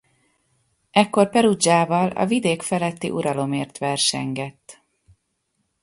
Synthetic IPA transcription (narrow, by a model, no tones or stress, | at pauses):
ɛkːo̞rpɛɾud͡ʒaːvɒlɒ̰vid̪eːkfɛlɛt̪ːḭʔuɾɒlo̞meːrt̪ʋɛrʃɛ̰ŋɡɛt̪ː